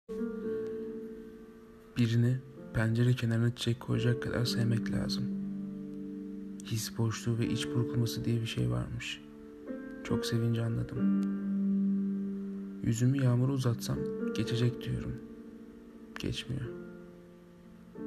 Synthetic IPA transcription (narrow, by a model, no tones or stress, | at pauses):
b̥iɾinipʰænd͡ʒe̞ɾɛcʰenaɾnat͡ʃ̪ʰid͡ʒɛckʰo̞jad͡ʒakʰːad̪a̰ɾsajmɛclʲa̰ːzɯm | hisbo̞ʃlˠuːvɛʔit͡ʃbuɾkʰumasɯd̪ijɛbiʃḛjva̰ɾmɯʃ | t͡ʃʰo̞̰kse̞vind͡ʒianlˠad̪ɯm | jy̰zymyjaːmuɾuzat̪samɟe̞t͡ʃʰe̞d͡ʒɛcd̪yjo̞̰ɾṵm | ɟ̥ɛ̰t͡ʃmḭjo